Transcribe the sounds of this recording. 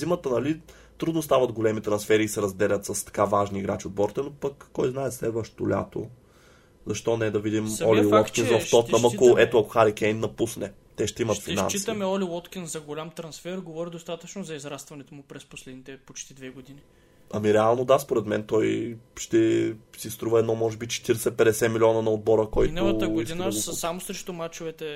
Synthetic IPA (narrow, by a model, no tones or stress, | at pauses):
zimət̪ənɐli | t̪ɾud̪nost̪avɐd̪ɡolɛmit̪ɾɐnsfɛɾiːsɛɾɐzd̪ɛlʲɐt̪sɐst̪ɐ̥kavaʒniɡɾat͡ʃiod̪̚bɔɾt̪ɛnopɐkːɔjznaɛslɛd̪vəʃt̪olʲa̰t̪o̰ | zɐʃt̪ɔnɛd̪ɐvid̪imɔliiwɔt̪kʲinsvɐft̪ɔt̪nɐmɐkoɛt̪oɐkoxaɾikɛjnːɐpusnɛ | t̪ɛʃt̪ɛimɐt̪fina̰nst͡ʃisit̪ɐmɛɔlʲiwɔt̪kʲinzɐɡolʲamt̪ɾɐnsfɛɾɡovɔɾid̪ost̪at̪ət͡ʃnozɐizɾast̪vɐnɛt̪omʊpɾɛsposlɛd̪nit̪ɛpot͡ʃt̪id̪vɛɡod̪ini | ɐmiɾɛalˠnod̪aspoɾɛt̪mɛnt̪ɔjʃt̪ɛsist̪ɾuvəɛd̪nɔmɔʒɛbit͡ʃɛ̥t̪iɾɛsɛpɛd̪ɛsɛmilʲiɔnɐnɐod̪̚bɔɾəkɔjinlˠəəɡoid̪isamosɾɛʃt̪omat͡ʃovɛt̪ɛ